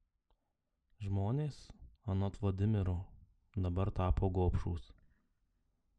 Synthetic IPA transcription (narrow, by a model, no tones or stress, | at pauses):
ʒmoːnʲeːsɐnɔt̪ʋɐd̪ʲɪmʲɪɾu | d̪ɐbɐɾt̪ɑːpoːɡoːpʃuːs